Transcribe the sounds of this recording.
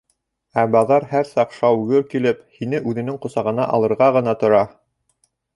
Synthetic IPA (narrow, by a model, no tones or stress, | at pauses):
æbɑðɑɾhæɾsɑqʃɑwɡɘɾkilɘphinɘʔʉðɘ̆nɘŋqŏsɑʁɤ̆nɑ̰ʔɑ̰lˠɤ̆ɾʁɑʁɤ̆nɑt̪ŏɾɑ